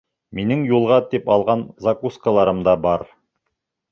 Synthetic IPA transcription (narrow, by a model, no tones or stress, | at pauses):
minɘŋjulˠʁɑt̪ipɑlˠʁɑnzakuskalˠɑɾɤmd̪ɑbɑɾ